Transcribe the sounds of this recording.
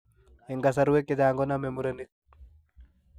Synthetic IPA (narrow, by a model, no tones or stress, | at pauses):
eŋɡas̬aɾuwekːed͡ʒaːŋɡɔnamemuɾenik̚